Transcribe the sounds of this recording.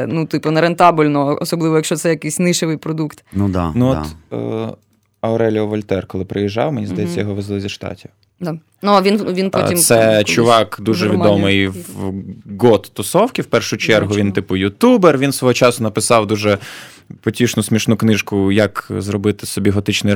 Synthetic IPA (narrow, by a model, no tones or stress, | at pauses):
nut̪ɪpʊnɐɾent̪ɑbʊlʲnɔɔsɔblˠɪʋɔjɐkʃt͡ʃɔsɛjɐkɪjsʲnɪʃɪʋɪjpɾɔd̪ukt̪nud̪̰nuɔt̪ | ɐʊɾɛlʲiɔʋɔlʲt̪ɛrkɔlˠɪpɾɪjiʒːɑwmenʲizd̪ɐjɛt͡sʲːɐjɔɦɔʋɪzlˠɪzʲiʃt̪ɑ̰tʲiw | d̪a | nuɐʋʲinʋʲinpɔimsɛt͡ʃʊʋɑkd̪uʒɛʋʲid̪ɔmɪjʋ | ɡɔt̪ːɔsɔwkʲiwpɛrʃʊt͡ʃɛrɦʊʋʲint̪ɪpʊjʊt̪uberʋʲinsʋɔɦɔt͡ʃɑsʊnɐpɪsɑwd̪uʒɛ | pɔtʲiʃnʊsʲmʲiʃnuknɪʃkʊjɐkzrɔbɪt̪ɪsɔbʲiɦɔt̪ɪt͡ʃnɪ